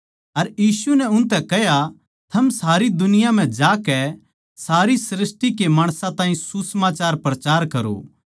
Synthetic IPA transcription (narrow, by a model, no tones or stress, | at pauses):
ɐɾjiːsunɛʊnt̪ɛkɛɦja | t̪ʰɐmsaːɾid̪ʊnɪjam̤ɛ̃d͡ʒaːkɛ | saːɾisɾɪsʈikemaːɽ̃sãt̪ãːɦĩsusəmaːt͡ʃaːɾpɾɐt͡ʃaːɾkɐɾo̰ː